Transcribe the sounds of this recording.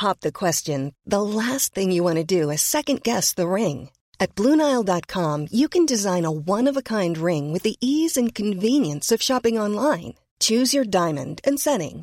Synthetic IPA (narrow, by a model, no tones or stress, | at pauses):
hɑp̚ðɨkʰw̥ɛst͡ʃɨ̃nðəlæs̚θɪ̃ŋjɨwɑ̃ñɨdɨɨsɛkɨ̃nɡɛsðɨɹɪ̃ŋ | ɨt̚b̥lũnaɪlˠdɑt̚kʰɑ̃mjɨkɨ̃ndɨzãɪ̃nəwʌ̃nʌvəkʰãɪ̃nd̚ɹɪ̃ŋwɨðiʔizɨ̃nkʰɨ̃ɱvĩnjɨ̃nsʌv̥ʃɑpɪ̃ŋɑ̃nlãɪ̃n | t͡ʃʰʉzjə˞dãɪ̃mɨ̰̃ndɨ̃nsɛ̃ɾɪ̰̃ŋ